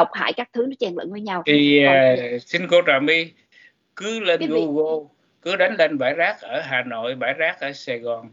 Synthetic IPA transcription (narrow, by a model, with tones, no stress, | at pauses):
ə˨˩wk͡p̚ha̰ː˧˨jkaː˦˥k̚t̪ʰɨ˨˦nɔ˨˦t͡ɕɛ˧˩nlə̰˧˨nvəː˨˦jɲa˧wt̪ʰi˨˩˨si˧nko˧taː˨˩mi˧ | kɨ˨˦le˧n˧ɣo˧ɣo˧ | kɨ˨˦ɗa˨˦jŋ̟le˧nɓaː˧˩jzaː˦˥k̚ʔəː˧˩ɦaː˨˩no̰˧˨jɓaː˧˩jzaː˦˥k̚ʔəː˧˩sɛ˧ɣɔ˨˩n